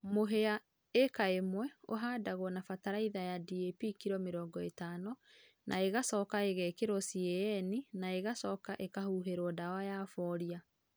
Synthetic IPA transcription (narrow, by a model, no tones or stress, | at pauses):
moɦea | ekaemwɛoɦaːdaɣwɔnafataɾaiðajadiepikiɾɔmeɾɔːŋɡɔetaːnɔ | nʔa̰eɣasɔːkaeɣɛːkeɾɔsiɛɛninaeɣasɔːkaʔekahuːɦeɾwɔdawajaːfɔɾia